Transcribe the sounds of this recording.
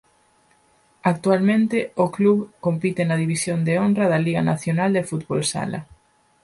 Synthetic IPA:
ak̚t̪ualmẽnt̪ɪokluβkompit̪ɪnɐðiβisjond̪eonrɐðɐliɣɐnaθjonald̪efut̪βolsa̰lɐ̰

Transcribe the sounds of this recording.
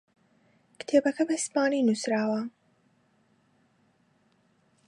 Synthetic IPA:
kt̪ʰeːbɐkʰɐbɐispɑːniːnusɾaːwɐ

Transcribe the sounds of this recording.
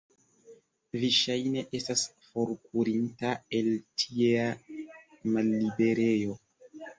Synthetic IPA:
viʃajne̞ʔe̞stasfoɾkuɾintae̞ltʰiea | malːibe̞ɾe̞jo̞

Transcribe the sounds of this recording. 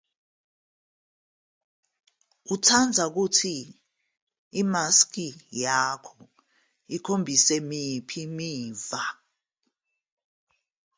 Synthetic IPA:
utʰand͡zʱak̬utʰi | maskijakʰɔ | ikʰombʱisɛmipʰimiːva

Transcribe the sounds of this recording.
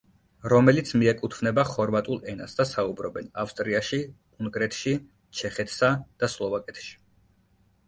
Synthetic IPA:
ɾɔmɛlit̪sʰmiɛkʼut̪ʰvnɛbaχɔɾvat̪ʼulˠɛna̰sd̪asaubɾɔbɛnafst̪ʼɾiaʃi | uŋɡɾɛt̪ʰʃi | t͡ʃʰɛχɛt̪ʰsad̪̥aslˠɔvakʼɛt̪ʰʃi̥

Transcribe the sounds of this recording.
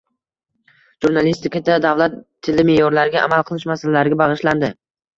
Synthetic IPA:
ʒ̥uɾnalist̪ɪkʲad̪ad̪avlat̪ʰːɪlɪmejɒɾlaɾɪɡʲaʔa̰malˠqʰɨlˠɪʃmasalalaɾɪɡʲabɑʁɨʃland̪ɪ

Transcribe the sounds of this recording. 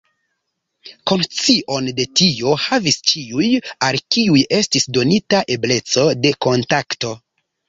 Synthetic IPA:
ko̞nt͡siʔo̞nde̞tio̞havist͡ʃiujalkiuje̞stisdo̞nitaʔe̞ble̞t͡so̞de̞ko̞ntakto̞

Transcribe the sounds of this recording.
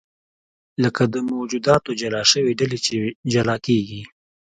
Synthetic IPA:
ləkad̪əmowd͡ʒud̪ɑt̪od͡ʒalɑʃəweɖalet͡ʃed͡ʒalɑkeɡi

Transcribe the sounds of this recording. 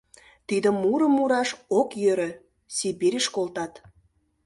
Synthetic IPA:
t̪id̪ə̆mːuɾə̆mːuɾɑʃokjøɾə̆ | sibiɾʲeʃkolt̪ɑt̪

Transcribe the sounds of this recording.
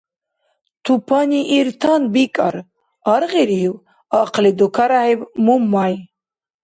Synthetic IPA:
t̪ʰupʰaniʔːɾt̪ʰanbikʼa̰ɾ | aɾʁiɾiiw | aqʰlid̪ukʰaɾaɦɛbmumːaj

